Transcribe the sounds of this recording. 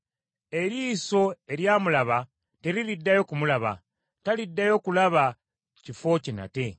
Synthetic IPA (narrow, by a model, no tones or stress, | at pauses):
e̞ɾiːso̞e̞ɾjaːmulaβa | teɾilidːajo̞kumulaβa̰ | talidːajo̞kulaβa | cifo̞cina̰te̞